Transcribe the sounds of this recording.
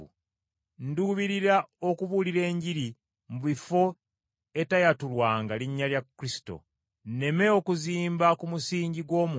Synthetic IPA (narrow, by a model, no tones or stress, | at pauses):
nduβiɾiɾao̞kuβuliɾe̞ːɲɟiɾi | muβifo̞ | e̞tajatulwaːŋɡaliɲːaljakːɾisi̥to̞̰ | nne̞me̞o̞kuziːmbakumusiːɲɟiɡwo̞ːmu